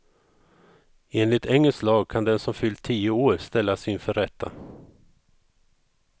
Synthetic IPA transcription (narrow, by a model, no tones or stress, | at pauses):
eːnlɪt̪ʰɛŋːɛslɑːɡ̚kʰand̪ɛnsɔmfʏld̪t̪ʰiːʊoːɾst̪ɛlːasyːnfœɾɛt̪ʰːa̰